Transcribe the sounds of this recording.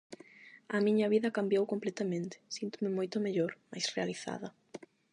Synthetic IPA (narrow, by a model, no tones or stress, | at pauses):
ɐmiɲɐβiðɐkambjowkomplɛt̪amẽnt̪ɪ̥sint̪omɪmojt̪ʊmeʎoɾma̰jsrealiθa̰ðɐ